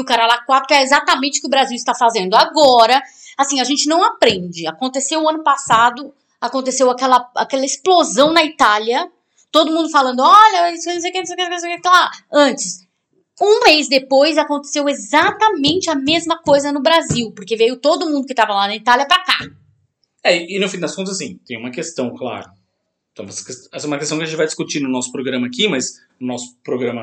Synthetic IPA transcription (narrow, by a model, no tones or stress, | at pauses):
ʊkaɾalakwat̪ɾʊɛezat̪ɐmẽnt͡ʃɪʊ̥kɪʊbɾaziwɪst̪afazẽnd̪ʊaɡɔɾɐ | asĩɐʒẽnt͡ʃɪnɐ̃w̃apɾẽd͡ʒɪa̰kõnt̪esewɐ̃nʊpasad̪ʊ | akõnt̪esewakɛlɐa̰kɛlɐesplozɐ̃w̃nɐit̪aljɐ | t̪od̪ʊmũnd̪ʊfalɐ̃nd̪ʊɔʎɐiskenũwsejkenõs̬ejkenkenõsejkekt̪alaɐ̃nt͡ʃɪ̥s | ũmejzd̪epojzakõnt̪e̥sewezat̪ɐmẽnt͡ʃɪɐmezmɐkojzɐnʊbɾaziwpoɾkevejʊt̪od̪ʊmũnd̪ʊkɪ̥t̪avɐlanɐit̪aljɐpɾaka | ɛɪːnʊfĩd̪ɐskõt̪ɐzas̬ĩt̪ẽj̃umɐkest̪ɐ̃w̃kla̰ɾʊ | ɛ̃umɛsɐkest̪ɛsɐɛumɐkest̪ɐ̃wkɐʒẽt͡ʃɪvajd͡ʒɪskut͡ʃinʊnɔsʊ̥pɾoɡɾɐ̃mɐaːkimɐz | ʊnɔsʊ̥pɾoɡɾɐ̃mɐ